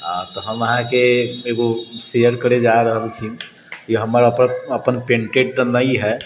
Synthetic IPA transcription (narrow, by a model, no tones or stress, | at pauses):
ɦãt̪ɔɦəməɦãkeeɡosejəɾkəɾed͡ʒaɾəɦəlt͡ʃʰi | kiɦəməɾəpəəpənpẽːɳʈeʈ̚t̪nəiɦɛ